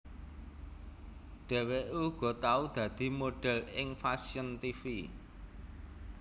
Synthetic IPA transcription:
ɖ̥ɛ̤weʔuɡ̥ɔ̤t̪aud̪̥ä̤d̪̥i̤moɖ̥ɛ̤lɪŋfasiənt̪ifi

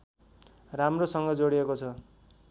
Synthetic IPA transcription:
ramrosʌŋɡʌd͡zoɽiekot͡sʰʌ

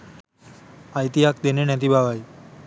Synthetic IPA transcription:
ajt̪iɦakd̪enenɛt̪ibʱaʋaj

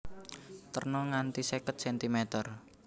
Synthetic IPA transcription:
t̪ərnɔŋant̪isɛkət̪̚sɛnt̪imɛt̪ər

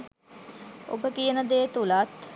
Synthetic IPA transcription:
o̰bəkijənəd̪eːt̪ulat̪

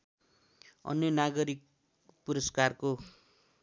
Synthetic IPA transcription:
ʌ̰njʌnaɡʌɾik̚ | puɾʌskarko

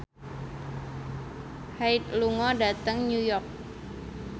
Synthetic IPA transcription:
hait̪̚luŋɔdat̪əŋɲujɔrk̚

